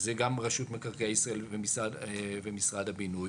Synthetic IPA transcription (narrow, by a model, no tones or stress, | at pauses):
zeɡamʁaʃut̪mekaʁkejaisʁaelvemisʁavemisʁadhabinuj